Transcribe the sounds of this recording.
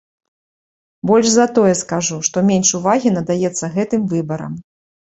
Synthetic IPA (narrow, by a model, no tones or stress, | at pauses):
bɔlʲʐzɐt̪ɔjɛskaʐuʂt̪ɔmʲenʂuvaɣʲinɐd̪ajɛt̪sːɐɣɛt̪ɨmvɨbɐɾɐ̰m